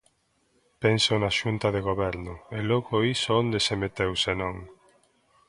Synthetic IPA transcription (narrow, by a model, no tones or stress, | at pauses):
pensonaʃunt̪ɐðeɣoβɛɾnʊelɔɣoisoond̪esemet̪ewsenõŋ